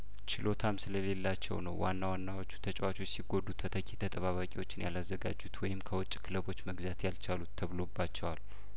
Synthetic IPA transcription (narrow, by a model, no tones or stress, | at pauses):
t͡ʃʰɪlo̞t̪ʰamsɨləle̞lːat͡ʃːɛ̰wnə̰wwa̰nːawanːawot͡ʃːu̥t̪ʰət͡ʃʼwat͡ʃʰo̞t͡ʃːsiɡo̞d̪ut̪ʰət̪ʰəkɛt̪ʰət̪ʼəβaβakʼiwo̞t͡ʃːɪnja̰lazːəɡa̰d͡ʒːut̪wɔjɪmkʰəwɔt͡ʃʼːkʰɨləβo̞t͡ʃːməɡzat̪jalt͡ʃʰalut̪ːʰəβlo̞bːat͡ʃːɛwal